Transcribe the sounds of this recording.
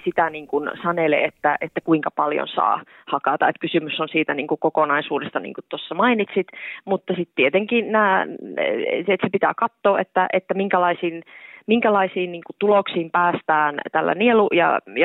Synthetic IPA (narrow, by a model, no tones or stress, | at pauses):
sit̪æniːŋkunsɑnelḛet̪ːæʔet̪ːækuiŋkɑpɑljo̰nsɑ̰ː | hɑkɑt̪ɑet̪̚kysymysːonsiːt̪æniːŋkukokonɑisuːdest̪ɑnḭŋkut̪t̪osːɑmɑinit̪sit̪mut̪ːɑsit̪t̪iet̪eŋkinnæː | et̪sepit̪æ̰ːkɑt̪ːoːʔet̪ːæʔet̪ːæmiŋkælɑisiːnmiŋkælɑisiːnniːŋkut̪uloksiːmpæːst̪æːnt̪ælːæ̰nielujɑ̰jɑ